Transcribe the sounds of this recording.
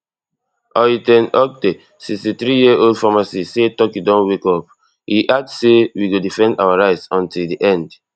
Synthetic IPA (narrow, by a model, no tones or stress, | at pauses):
ɔitɛ̃nɔk̚de | sikstit̪ɹijiʔoldfamasisetɔkidɔ̃nwekɔp̚ | hiʔasewiɡodifɛ̃ndawaɹaɪtsɔ̃ntildiʔɛ̃nd